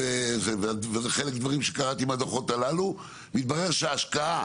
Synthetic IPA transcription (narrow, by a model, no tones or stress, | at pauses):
evevvezeχe̞lekd̪vaʁimʃekaʁat̪iːmad̪oχo̞t̪alalu | mit̪̚baʁe̞ʁʃeaːʃkaa